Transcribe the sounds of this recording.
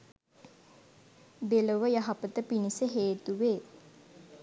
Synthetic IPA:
b̪eləʋəjaɦapət̪əpinisəɦeːt̪uʋeː

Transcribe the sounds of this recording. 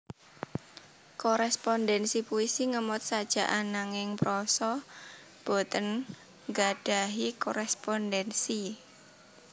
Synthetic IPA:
kɔɾɛspɔndɛnsipuisiŋəmʊt̪̚sad̥ʒ̥a̤ʔanːaŋɪŋpɾɔsɔ | b̥o̤t̪ən | ŋɡaɖ̥a̤ɦikɔɾɛspɔndɛnsi

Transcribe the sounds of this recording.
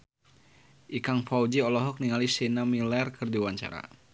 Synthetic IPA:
ʔikaŋfaud͡ʒiɔlɔɦɔk̚niŋalisinamilɛrkʰɨrdiwaɲt͡ʃa̰ɾa̰

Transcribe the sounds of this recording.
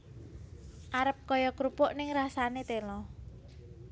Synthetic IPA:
ʔaɾəp̚kɔjɔkɾupʊʔnɪŋrasanet̪elɔ

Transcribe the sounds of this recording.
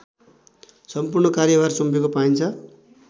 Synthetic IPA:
sʌmpurnʌkaɾjʌbarsumpekopaint͡sʰʌ

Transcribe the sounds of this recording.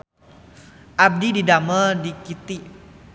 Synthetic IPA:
ʔab̚dididamədikit̪i

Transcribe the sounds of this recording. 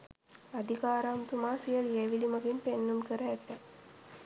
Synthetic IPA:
ɐd̪ʱikaːɾaːmt̪umaːsijəljeːʋilimɐɡimpenːunkəɾəːt̪ːɛ

